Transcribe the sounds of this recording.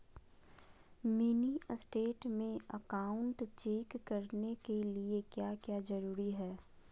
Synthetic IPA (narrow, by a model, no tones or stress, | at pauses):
minisʈeːʈmẽəkaːʊ̃ɳʈt͡ʃeːkːɐɾnekeliekjaːkjaːzɐɾuːɾiɦɛː